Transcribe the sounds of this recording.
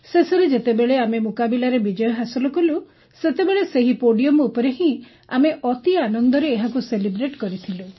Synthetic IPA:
seseɾed͡ʒet̪ebeɭeamemukabilaɾebid͡ʒɔjɔɦasɔlɔkulu | set̪ebeɭeseɦipoɽijɔmupɔɾeɦĩ | a̰meʔɔt̪ianɔnd̪ɔɾeːɦakuselibɾeʈkɔɾit̪ʰilu

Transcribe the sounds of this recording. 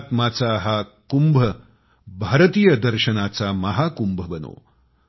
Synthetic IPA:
t̪maːt͡saːɦakumbʱɐ | bʱaːɾət̪iːjɐd̪ɐɾʃɐnaːt͡saːmɐɦaːkumbʱɐbɐno̰ː

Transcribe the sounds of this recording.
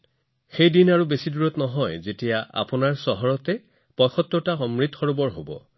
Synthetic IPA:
xejdinaɹubesiduɹɔtnɔɦɔjzetijaa̰pʊnaɹsɔɦɔɹɔtɛ | pɔjxɔt̪ːɔtaxɔmɹitxɔɹubɔɹɦobɔ̰

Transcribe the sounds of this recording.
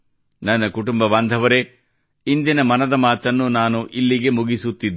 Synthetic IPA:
nɐnːɐkuʈumbɐʋaːnd̪ʱɐʋɐɾe̞ | ind̪inɐmɐnɐd̪ɐmaːt̪ɐnːunaːnuʔilːiɡe̞muɡisut̪ːid̪ː

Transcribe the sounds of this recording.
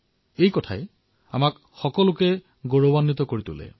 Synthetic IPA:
ejkɔtʰa̰e | a̰mak | xɔkɔlʊkɛ | ɡoɹobanːit̪ɔkoɹit̪ṵlɛ̰

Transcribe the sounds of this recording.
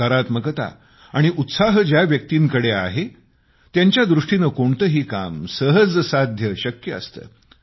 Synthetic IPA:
əɾat̪məkət̪a̰ | aɽ̃iʔut̪saɦəd͡ʑjaʋjək̚t̪iːŋkəɽea̰ɦe | t̪jaɲt͡ɕjad̪ɾuʂʈinəkoɳt̪əɦiːka̰msəɦəd͡zsad̪ʱjəɕəkjə̰ːst̪ə̰ː

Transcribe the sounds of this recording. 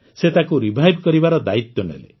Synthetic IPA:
set̪akuɾibʱajbʱkɔɾibaɾɔd̪ait̪jɔnḛlḛ

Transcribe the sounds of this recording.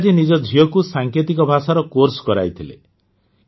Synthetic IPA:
d͡ʒinid͡ʒɔd͡ʒʱijɔkusaŋket̪ikɔbʱasaɾɔkoɾskɔɾa̰jt̪ʰilḛ

